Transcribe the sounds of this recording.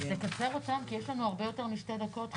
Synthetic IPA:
zekat͡se̞ʁo̞tamkijeʃlanuaʁbe̞jo̞te̞ʁmiʃted̪ako̞t

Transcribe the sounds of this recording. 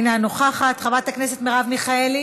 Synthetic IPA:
nanoχaχat̪χavat̪aknese̞t̪meʁavmiχaeli

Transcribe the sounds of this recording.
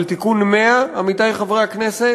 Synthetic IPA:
lt̪ikunmeaːmit̪ajχavʁeaknese

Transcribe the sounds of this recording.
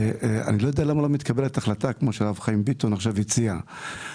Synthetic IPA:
a̰nilojodealamalomit̪kʰabeletaχlatakmo̞ʃealavχaimbit̪onaχʃavit͡sia

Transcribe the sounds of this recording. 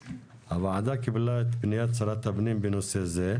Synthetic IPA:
ɐʋad̪akibilat̪binjat̪sɐɾat̪ɐbnimbinuseze

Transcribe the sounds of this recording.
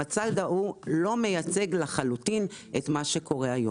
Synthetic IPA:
at͡saldaʔulo̞me̞jat͡se̞ɡlaχalutinʔetmaʃe̞kʰo̞ʁe̞ajo

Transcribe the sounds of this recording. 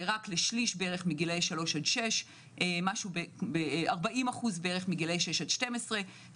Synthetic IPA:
ʁakleʃliʃbeeʁeχmiɡilejʃalo̞ʃadʃe̞ʃ | ʔemaʃubebeaʁbaʔimaχuzbeeʁeχmiɡilejʃeʃadʃte̞mesʁe̞

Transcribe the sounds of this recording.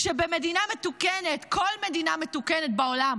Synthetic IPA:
ʃebeme̞dinametukenetkʰo̞lme̞d̪iname̞tukenet̚beo̞lam

